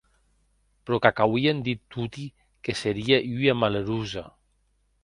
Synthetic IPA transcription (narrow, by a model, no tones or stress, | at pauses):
pɾɔkakawiend̪it̪ːut̪i | keseɾiaʎyamaleɾuza̰